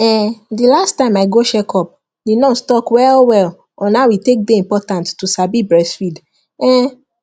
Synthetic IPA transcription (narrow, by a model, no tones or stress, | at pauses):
ɛdilastːãɪ̃maɪɡoʃɛkʰɔp̚ | denɔ̃stɔkwɛlwɛl | ɔ̃nawitek̚deĩmpɔtãnttusabibɹɛsfid | ɛ